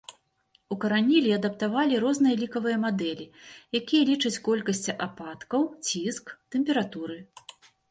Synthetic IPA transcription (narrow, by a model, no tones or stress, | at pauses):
ukɐɾanʲilʲiɐd̪ɐpt̪avalʲiɾɔznɨjɐlʲikɐvɨjɐmad̪ɛlʲijakʲijɐlʲit͡ʂɐt͡sʲkɔlʲkɐsʲt͡sʲiʔapat̪kɐwt͡sʲiskt̪ɛmpʲɛɾat̪uɾɨ